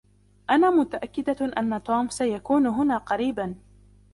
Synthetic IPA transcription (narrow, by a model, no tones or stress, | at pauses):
ʔanaːmʊt̪aʔakːɪd̪aʔa̰nːat̪oːmsajakuːnʊɦʊnaːqɑɾiːban